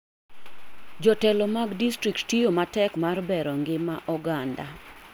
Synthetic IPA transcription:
d͡ʒɔtɛlɔmaɡdistɾik̚ttijomatɛkmarbɛɾɔŋɡɪmaʔɔɡanda̰

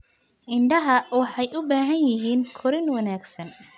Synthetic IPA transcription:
ʔɪnd̪ɐɦɐwɑħɑjʊbaːɦɐnjɪɦiːnkʰɔɾɪnwɐnaːɡsɐn

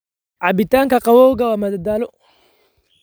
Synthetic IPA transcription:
ʕabɪt̪aŋkɐqawɔɡawamɐd̪ad̪aːlɔ

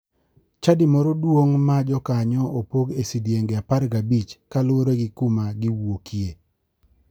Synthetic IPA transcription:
t͡ʃadimɔɾɔdwoŋmad͡ʒɔkaɲɔʔopoɡesidjeŋɡeapaɾɡabit͡ʃkalʊoɾeɡɪkumaɡɪwokje

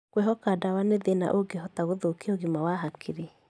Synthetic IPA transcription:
kwɛɦɔkadawaneðena̰ʔoɡeɦɔtaɣoðokeoɣimawaɦakʰeɾe

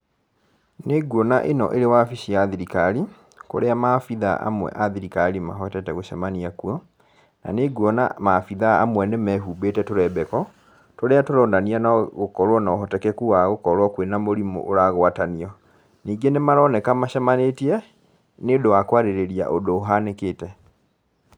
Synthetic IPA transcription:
neɡwɔnaʔenɔ̰ʔeɾewafiʃiaðiɾikaɾi | ko̰ɾeamafiða̰ʔa̰mwɛ̰ʔaðiɾikaɾima̰ɦɔtɛtɛɣoʃɛmaniakuɔ | na̰neɡwɔnamafiðaa̰mwɛnemɛɦuːbetɛtoɾɛbɛkɔ | toɾeatoɾɔːndanianaɣokɔɾwɔnaoɦɔtɛkɛkuaɣokɔɾwɔkwenamoɾimo̰ʔoɾaɣwataniɔ | niːŋɡenemaɾɔnɛkamaɕɛmanetiɛ | nedowakwaɾeɾeɾia̰ʔodoːɦanekeːtɛ

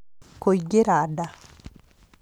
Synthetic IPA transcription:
koiɡeɾada

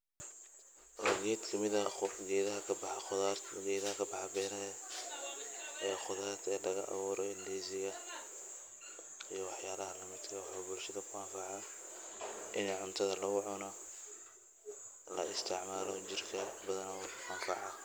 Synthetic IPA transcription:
ʔɔɡɛːd̪kʰɐmɪðɐɡɛːðɐɦɐkʰɐb̪ | ɡɛːðɐhkʰɐbɑħɑbɛɾɐjɛ | ɐjaːxʊðaːrt̪ʰɛːdɐɣɐ̰ʔa̰βuːɾɔɪnd̪iːzɪɣɐ | ijɞwɑħjaːlɐɦɐlɐmɪd̪kʰɐwħɔbʊlʃɐðɐkʰʊɐnfɑʕɐ | ʔɪnɛʕʊnt̪ʰɐðɐlɐɣʊʕʊnɔ | lɐ̰ɪst̪ʰɪʕmaːlɔt͡ʃɪrkʰɐbɐðɐnːwħɐnfɑ̰ʕɐ

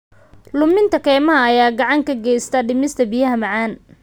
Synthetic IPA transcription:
lʊmɪnt̪ʰɐkʰɛːmɐɦɐːjaːɡɑʕɑŋkʰɐɡɛjst̪ʰɐɖɪmɪst̪ʰɐbijɐɦɐmɑʕɑːn

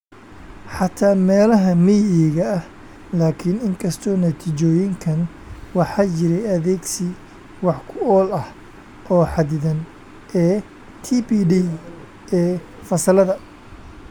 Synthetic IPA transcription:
ħɑt̪ʰaːmɛːlɐɦɐmijɛɣɐːh | laːkʰɪnɪŋkʰɐst̪ʰɔːnɐt̪ʰiːt͡ʃɔːjɪŋkʰɐn | wɑħɑːt͡ʃɪɾɛjɐðɛːɡsɪ | wɑħkʰʊɔːlɐh | ʔɔːħɑd̪ɪðɐn | ʔɛː | t̪ʰipiːɖi | ʔɛː | fɐsɐlɐðɐ

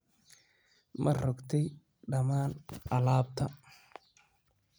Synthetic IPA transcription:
mʔɐrɔɡt̪ʰɛj | ɖɐmaːnʔɐlaːb̚t̪ʰɐ

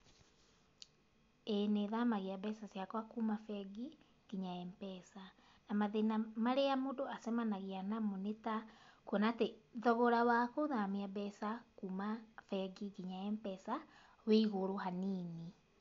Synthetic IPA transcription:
eneðamaɣeabɛsasjakwakumafɛɡi | ɡ̥iɲaɛmpɛsa | namaðenamaɾeamodoasɛmanaɣianamonetakuɔnateðɔβɔɾawakoðamiabɛsakuːmafɛɡiɡiɲaɛmpɛsa | weiɣoɾohaniːni

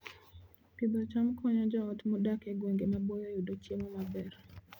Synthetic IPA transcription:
kid̪ɔt͡ʃamkɔɲɔd͡ʒɔɔtmodakeɡweŋɡemabojɔjudot͡ʃjemɔmabɛr

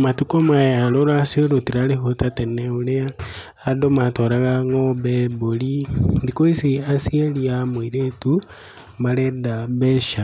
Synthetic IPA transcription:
matukomajaloɾasioɾotiɾalihotateneuleaː | domatoɾaɣaŋɡobebolindikoisiasieliamwiɾetu | mbaledabeʃa

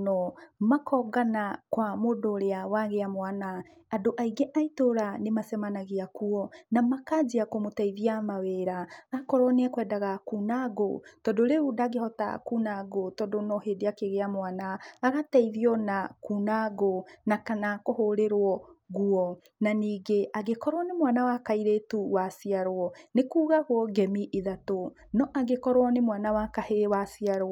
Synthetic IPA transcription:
nɔmakʰɔɡanakwamodoɾeawaɣeamoanaː | doʔaiɡeʔaitoɾanemasɛmanaɣiakuɔnamakad͡ʒiakomotɛiðiamaweɾaakɔɾɔneɛkwɛːdaɣakunaɣo̰tɔdoɾeudaɡehɔta̰kunaɡotɔdonɔɦedeakeɣeamwanaːɣatɛiðiɔnakunaɣonakanakohoɾeɾwɔɣuɔ | naniːɡeʔaɣekɔɾwɔnemwanawakaiɾetuwasiaɾwɔnekuːɣaɣwɔɡɛmiʔiðato | nɔʔaɣekɔɾwɔnemwanawakahewasiaɾwɔ

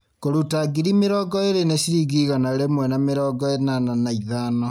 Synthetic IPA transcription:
koɾutaɡiɾimeɾɔɡɔeɾeneʃiɾiɡiɣanaeɾemwɛnameɾɔːɡɔenananaiðanɔ

